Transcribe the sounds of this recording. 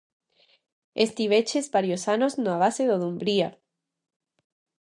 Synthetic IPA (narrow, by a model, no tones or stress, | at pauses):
est̪iβ̞et͡ʃezβaɾjosanoznoaβ̞aseðoðumbɾia